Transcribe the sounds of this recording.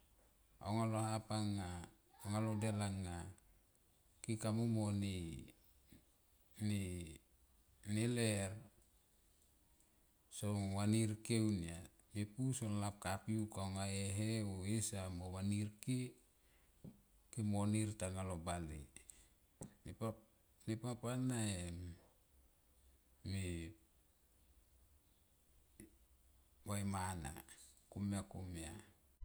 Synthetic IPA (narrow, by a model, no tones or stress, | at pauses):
a̰oŋalohapaŋːa | oŋalodelaŋːa | kikamomoni | ni | neler | sowaniɾkewnia | mepusonlap̚kapiukaoŋaeɦeoesamowaniɾke | kemoniɾtaŋalobalḭ | ni | nipapanae | mi | wajmana̰kumiakumia